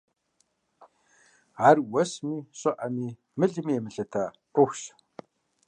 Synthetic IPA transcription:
arwɐsmiːɕʼɔʔamiː | mɨɮmimɘɮɐt̪ʰaː | ʊxʃ

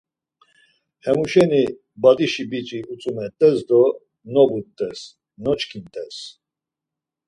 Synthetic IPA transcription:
hɛmuʃɛni | bad̪iʃibit͡ʃʼiut͡sʼumɛt̪ʼɛsd̪ɔ | nɔbut̪ʼːɛs | nɔt͡ʃkʰint̪ʼɛs

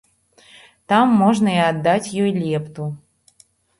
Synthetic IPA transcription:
t̪amːɔʐnɐɛad̪ːat͡sʲjɔjlʲɛpt̪u

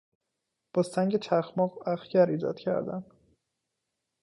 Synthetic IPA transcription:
b̥ɒːsæŋɟet͡ʃʰæxmɒːɣæxcæɾiːd͡ʒɒ̰ːd̪cʰæ̰ɾd̪æ̰n

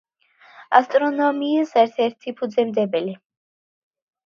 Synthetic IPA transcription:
ast̪ʼɾɔnɔmiːsɛɾt̪ʰɛɾt̪ʰipʰud̪zɛmd̪ɛbɛli

